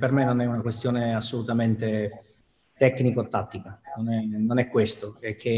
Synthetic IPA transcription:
permenːonɛunakwest̪joːneasːolut̪ament̪e | t̪ɛkːnikot̪ːat̪ːikanonɛnonɛkːwest̪oekʰːe

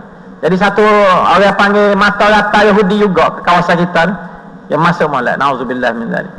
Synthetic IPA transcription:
d͡ʒadis̬at̪uo̰ɣahpaŋɡɛmãt̪aɣat̪ajaɦudid͡ʒuɡɔʔkə̥kawasankit̪an | jaŋmasʊʔmala̰ʔnauzubilːahmĩnda̰l̰

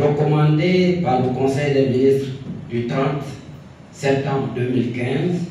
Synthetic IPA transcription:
ʁəkɔmɑ̃d̪epaʁləkɔ̃sɛjd̪eminist̪ʁd̪yt̪ʁɑ̃t̪ | sɛp̚t̪ɑ̃bʁd̪ømilkɛ̃z

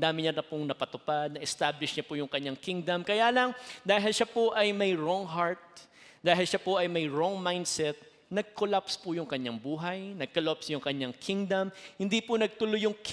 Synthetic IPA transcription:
d̪aːmɪɲaɾɐpʊŋnɐpɐt̪ʊpad̪̚nɐʔɛst̪ablɪʃɲapʊjʊŋkɐɲːaŋkiŋd̪ɐmkɐjaːlɐŋd̪aːɦɪlʃapoʔɐjmɐjɹoŋɦaɹt̪̚ | d̪aːɦɪlʃapoʔɐjmɐjɹɔŋmajnd̪sɛt̪̚ | nɐɡ̚kʰolapspʊjʊŋkɐɲːaŋbuːɦɐjnɐɡ̚kolopsjʊŋkɐɲaŋkʰiŋd̪ɐmhɪnd̪ipʊnɐɡ̚t̪ʊlojʊŋk

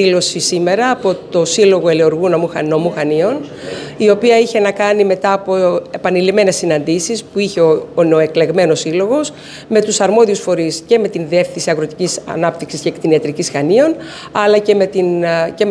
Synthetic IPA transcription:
ilo̞sisime̞ɾɐːpo̞t̪o̞silo̞ɣo̞elioɾɣunɐmuxɐnomuxɐnio̞nio̞piɐiçe̞nɐkɐnime̞t̪ɐːpo̞epɐnilime̞ne̞sːinɐnd̪isispuiçe̞oneoe̞kle̞ɣme̞no̞silo̞ɣo̞s | me̞t̪usɐɾmo̞ðiusfo̞ɾisce̞me̞t̪inðie̞fθinsiɐɣɾo̞t̪icisɐ̰nɐpt̪iksiscekt̪iniɐt̪ɾicisxɐnio̞n | ɐlɐce̞me̞t̪incem

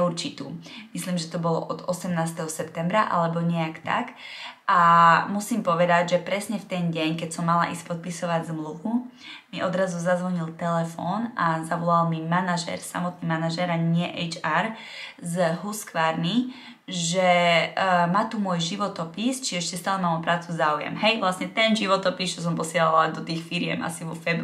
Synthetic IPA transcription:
uɾt͡ʃit̪uːmisliːmʒɛt̪ɔbɔlɔ̰ʔɔd̪ɔsɛmnaːst̪ɛɦɔsɛpt̪ɛmbɾaʔa̰lɛbɔɲɛakt̪a̰kʔamusiːmpɔʋɛd̪aɟʒɛpɾɛsɲɛft̪ɛnɟɛɲkɛcsɔmːala̰ʔispɔt̪̚pisɔʋaɟzmluʋu | miʔɔd̪ɾazuzazʋɔɲilt̪ɛlɛfɔːnʔazaʋɔlalmimanaʒɛ̰ɾsa̰mɔt̪nimanaʒɛɾaɲɪɛʔɛjt͡ʃaɾ | zɦuskʋaːɾni | ʒɛ | maːt̪umʊɔjʒiʋɔt̪ɔpist͡ʃiʒɛɛʃcɛst̪aːlɛmaːmɔpɾaːt͡suzaːujɛ̰mɦɛjʋlasɲɛt̪ɛnʒiʋɔt̪ɔpist͡ʃɔs̬ɔmpɔsɪɛlalad̪ɔt̪iːxfiɾɪɛ̰mʔa̰siʋɔfɛb

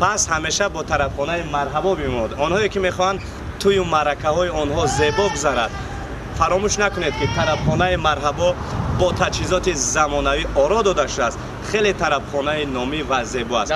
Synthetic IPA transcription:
pʰashame̞ʃabɔt̪ʰaɾabχɔnaimaɾɦabɔbimɔnd̪ɔnhɔekime̞χɔhand̪ | t̪ʰujumaɾakʰahɔiɔnhɔze̞bɔɡuzaɾad̪̥ | faɾɔmuʃnakuned̪̚kit̪ʰaɾabχɔnaimaɾɦabɔ | bɔt̪ʰat͡ʃhizɔt̪izamɔnaviʔɔɾɔd̪ɔd̪aʃud̪ast̪ | χe̞let̪ʰaɾabχɔnainɔmivaze̞bɔa̰s

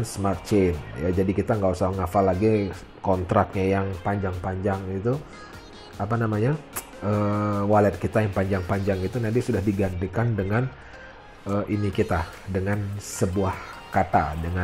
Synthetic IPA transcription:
nsmart̪̚t͡ʃenja̰d͡ʒadikit̪aŋɡausahŋafalːaɡi | kɔnt̪ɾak̚ɲajaŋpaɲd͡ʒaŋpaɲd͡ʒaŋit̪u | ap̬anamaɲa | əwalɛt̪̚kit̪ajaŋpaɲd͡ʒaŋpaɲd͡ʒaŋit̪unadisudahdiɡandəkandəŋan | əʔinikit̪adəŋansəbuahkat̪adəŋa

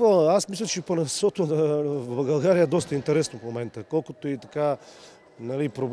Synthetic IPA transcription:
əasmislʲɐt͡ʃɛponɛsɔt̪ovbɐlˠɡɐlˠɡaɾiəɛd̪ɔst̪əint̪ɛɾɛsnofmomɛnt̪əkɔlˠkot̪oit̪ɐka | nɐlipɾob

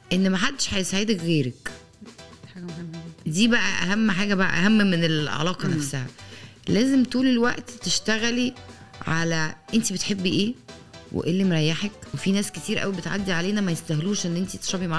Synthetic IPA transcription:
ʔenːmæħad̪ːeʃħajesæʕed̪ækɣeːɾæk | d̪iːbæʔæʔæɦæmːħaːɡæbæʔæ̰ʔæ̰ɦæmːmenelʕa̰lɑːqɑnæfsæhæ̰læːzemt̪uːlelwæʔt̪t̪eʃt̪æɣæliʕalæʔent̪ibet̪ħebːiʔeː | wḛʔelːimɾˤæjːaħekwefinæːsket̪iːɾʔæ̰wibet̪ʕa̰d̪ːiʕaleːnæmæjest̪æhluːʃʔenːʔent̪it̪et̪ʃɑbimaʕ

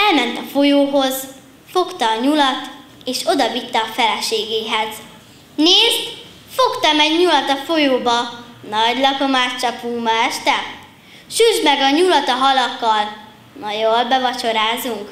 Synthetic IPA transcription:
ɛlmɛnt̪ɒfo̞joːɦo̞z | fo̞kt̪ɒːɲulɒt̪ | eːʃo̞d̪ɒvit̪ːɛɒfɛlɛʃeːɡeːɦɛz | neːzt̪ | fo̞kt̪ɒmɛɟɲulɒt̪ɒfo̞joːbɒnɒɟlɒko̞maːt̪t͡ʃɒpuŋbɒɛʃt̪ɛ | ʃyʒd̪mɛɡɒɲulɒt̪ɒɦɒlɒkːɒl | mɒjolbɛvɒt͡ʃo̞ɾaːzuŋk

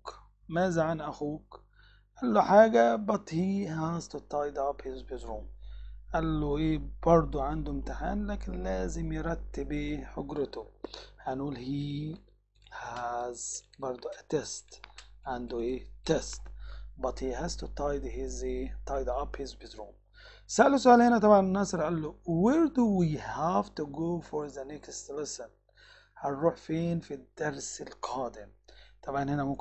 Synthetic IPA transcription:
k | mæːzaʕanʔæxuːk | ʔælːʊħaːɡæbɑt̪ˤhiːhaːzt̪ʊt̪ːɑːjd̪ɑbhɪzbɪzɾuːmʔælːʊʔeːbɑɾˤd̪ˤuʕand̪ʊɪmt̪ɪħa̰ːnlæːkɪnlæːzɪmjɾˤɑt̪ːɪbeːħʊɡɾɪt̪ʊhanʔuːlhiː | hazbɑɾˤd̪ˤʊʔæt̪est̪ʔæ̃nd̪et̪est̪bɑt̪hiːhazt̪ut̪ɑjd̪hɪzt̪ɑjd̪ɑphɪzbɪzɾuːm | saʔælus̬ʊʔaːlhɪnæt̪̬ˤɑbʕɑnnːɑːsɪɾʔælːʊweɾd̪uwihævt̪uɡoːfɔɾðanɛkst̪lɛsɪn | haɾuːħfeːnfid̪̥ɑɾsɪlqʰɑːd̪ɪmt̪ˤɑbʕɑnhɪnæmʊmk

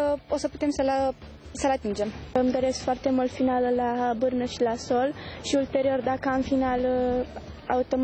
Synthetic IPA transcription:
osəput̪emsəla | səlat̪ind͡ʒemmd̪oɾeskfoart̪emult̪finaləlabɨɾnəʃilasolʃiult̪eɾiord̪akaɨnfinal | aut̪om

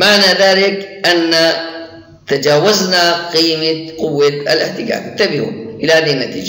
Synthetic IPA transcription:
maʕnaðaːlɪkʔanːa | t̪ad͡ʒaːwaznaqiːmaqʊwːat̪alɪħt̪ɪɡa̰ːkt̪ːabɪhṵmʔɪlahaːd̪ianːat̪ḭːd͡ʒa

